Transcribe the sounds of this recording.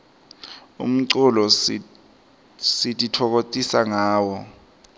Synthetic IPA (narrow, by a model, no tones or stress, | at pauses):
ṵm̩ǀulɔ | sitʼitʰɔk̬ot͡sʼisaŋaːwɔ